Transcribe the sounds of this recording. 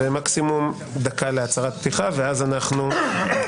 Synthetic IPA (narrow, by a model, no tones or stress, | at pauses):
emaksimum | d̪akaleat͡saʁat̪̚pt̪iχaveazanaχnu